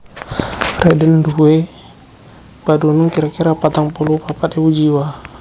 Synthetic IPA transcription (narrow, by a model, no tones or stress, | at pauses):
rɛdɛndue | padunuŋkiɾakiɾapat̪aŋpɔlupapat̪ɛwud͡ʒiwa